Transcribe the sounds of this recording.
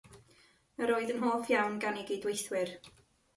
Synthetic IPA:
əɾoːɨðənɦoːfjawnɡanɪɡidwejθwɪr

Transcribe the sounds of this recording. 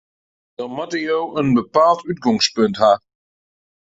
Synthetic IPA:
d̥ɑnmɑtəjowənbəpaːlˠtyt̚ɡɔŋspɵntɦaː

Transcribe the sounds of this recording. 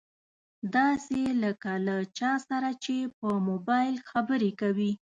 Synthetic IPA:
d̪ɑseləkalat͡ʃɑsaɾat͡ʃepəmobɑjlxabəɾekawi

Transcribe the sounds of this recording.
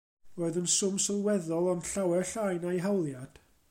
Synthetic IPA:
roːɨðənsʊmsɪlˠwɛðɔlˠɔnɬawɛrɬajnajɦɛwlˠjad̥

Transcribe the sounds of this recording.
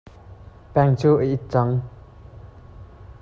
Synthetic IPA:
pɛŋt͡sʰuːʔəʔit̪̚t͡saŋ

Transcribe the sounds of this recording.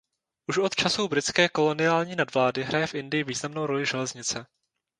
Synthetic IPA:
ʔuʃʔo̞t̪t͡ʃasubɾɪt͡skɛːko̞lo̞nɪaːlɲiːnadvlaːdɪɦɾajɛfʔɪndɪjɪviːznamno̞wɾo̞lɪʒɛlɛzɲɪt͡sɛ

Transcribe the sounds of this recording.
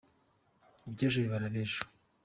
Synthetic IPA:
ibɟeʒoβiβaɾaβeʒo̥

